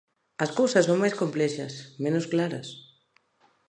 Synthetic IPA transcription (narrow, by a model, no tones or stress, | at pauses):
ɐskowsɐsõŋmajskomplɛʃɐ̰smenʊsklaɾɐs